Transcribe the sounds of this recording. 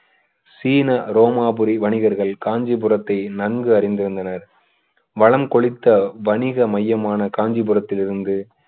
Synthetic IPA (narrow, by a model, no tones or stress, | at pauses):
siːnɐɾoːmaːbɯɾiʋɐɳɪɣɐɾɣɐɭkaːɲd͡ʒipɯrɐt̪ːɐɪnɐnɡɯɐrɪnd̪ɪɾɯnd̪ɐnɐɾ | ʋɐɭɐmkɔɭɪt̪ːɐʋɐɳɪɣɐmɐjːɐmaːnɐkaːɲd͡ʒipɯrɐt̪ːɪlɪɾɯnd̪ɯ